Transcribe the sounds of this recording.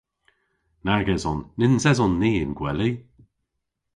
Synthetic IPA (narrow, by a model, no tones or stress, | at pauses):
naɡɛzɔnːɪnzɛzɔnːiːɪnɡ̥wɛli